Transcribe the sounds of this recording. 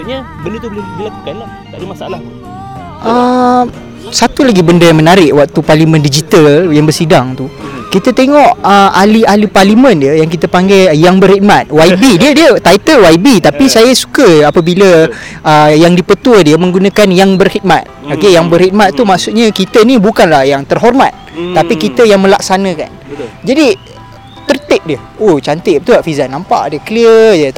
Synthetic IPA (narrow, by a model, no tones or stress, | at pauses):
bənt̪uan | t̪adəmasala | ʔə | sat̪ulaɡibəndəjaŋmənaɾɪʔwak̚t̪uparlimə̃ndid͡ʒit̪aljaŋbərsidaŋt̪ukit̪ət̪eŋɔʔəalialiparlimə̃ndiəjaŋk̬it̪əpaŋɡɛjjaŋbərhit̪̚mat̪̚waibidiədiət̪ait̪əlwaibit̪apisajasu̥kəapəbiləəjaŋdipət̪uədiəmə̃ŋɡunãkanjaŋbərhid̪̚mat̪̚okejaŋbərhid̪̚mat̪ːumaʔsuʔ̪̚ɲakit̪ənibukanlahjaŋt̪ərɦɔrma̰t̪̚t̪ːapikit̪əjaŋmə̃lak̚sanə̃ka̰nd͡ʒadi | t̪ərt̪ɪʔ̚diə | oht͡ʃant̪ɪʔ̚t̪uaʔfizanampa̰ʔdəkəliəə